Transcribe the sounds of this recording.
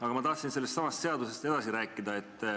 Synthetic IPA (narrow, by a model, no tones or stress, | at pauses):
ɑɡɑmɑt̪ɑht̪sinse̞lːest̪sɑmɑst̪se̞ɑd̪use̞st̪e̞d̪̥ɑsiɾæːkːˑid̪ɑe̞t̪ːˑ